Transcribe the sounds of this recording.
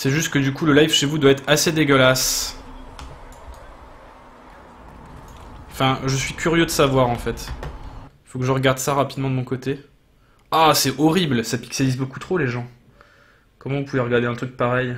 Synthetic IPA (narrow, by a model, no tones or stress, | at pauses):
sɛʒyst̪kəd̪ykuləlajfʃevud̪waɛt̪χased̪eɡəlas | ɑ̃fɛ̃ʒəsɥikʲyʁjød̪əsavwaʁɑ̃fɛt̪ | ifokəʒəʁəɡaʁd̪saʁapid̪mɑ̃d̪əmɔ̃kot̪e | asɛɔʁiblsapi̥kselizboku̥t̪χoleʒɑ̃ | kɔmɑ̃vupuveʁəɡaʁd̪eɛ̃t̪χyk̚paʁɛj